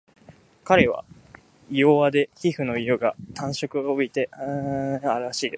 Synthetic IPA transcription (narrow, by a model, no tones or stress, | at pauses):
kaɾe̞βa̰ | ioβad̪e̞çiɸɯ̟no̞iɯ̟ɡat̪ãɰ̃ɕo̞kɯ̟obit̪e̞ɯaɾɯ̟ɾaɕiːd̪es